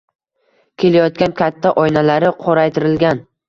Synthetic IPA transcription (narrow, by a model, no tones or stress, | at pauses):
kʲʰe̞lajɒt̪̚kʲankʲat̪ʰːaʔɒjnalaɾɪqʰoɾajt̪ʰɪɾɪlɡʲan